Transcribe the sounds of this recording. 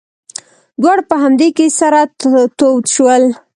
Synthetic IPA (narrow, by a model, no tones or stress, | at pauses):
d̪waɽpəɦamd̪ekesaɾat̪owt̪ʃwəl